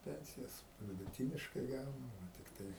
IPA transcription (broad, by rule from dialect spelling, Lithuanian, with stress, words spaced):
ˈpʲɛnʲsʲɪjɛs ʋʲɪdʊˈtʲiːnʲɪʃkɐɪ ˈɡɐʊnʊ tʲɪkˈtɐɪ